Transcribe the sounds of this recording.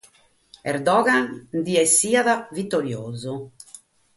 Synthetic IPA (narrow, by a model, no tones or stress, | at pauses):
ɛɾd̪ɔːɣand̪iɛsːiːaðavit̪ːoɾjoːzu